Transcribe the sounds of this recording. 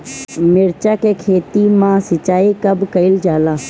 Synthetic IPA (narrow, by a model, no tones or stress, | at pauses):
mɪɾt͡ʃakekʰeːt̪imãsɪt͡ʃaːikɐbkəɪld͡ʒaːlaː